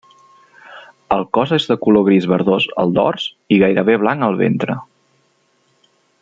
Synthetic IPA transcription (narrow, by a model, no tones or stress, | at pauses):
əlˠkɔzezðəkuloɣ̞ɾizβəɾðozə̰lˠd̪ɔ̰rs | iɣajɾəβ̞eβlaŋəlˠβḛnt̪ɾə